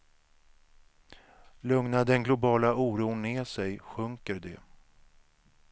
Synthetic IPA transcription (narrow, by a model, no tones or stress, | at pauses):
lɵŋnad̪ɛnɡlʊbɑːlauːɾuːnːeːsɛjɧɵŋkəɾd̪ɛ